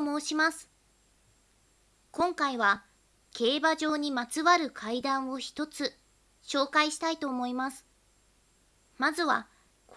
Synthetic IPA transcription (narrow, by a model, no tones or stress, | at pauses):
mo̞ːɕimasɨ̥ | kõ̞ŋkaiβa | kʰe̞ːbaʑo̞ːɲ̟imat͡sɨβaɾɯ̟kʰaid̪ãɰ̃o̞çi̥t̪o̞t͡sɨ | ɕo̞ːkaiɕi̥t̪ait̪o̞ːmo̞imasɨ̥ | mazɨβa̰ | k